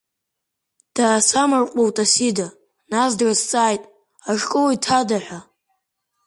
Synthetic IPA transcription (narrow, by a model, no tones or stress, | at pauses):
d̥aːsamarqʷʼowtʼasida | nasdrast͡sʼaːjtʼ | aʂkʼowitʰadaħʷa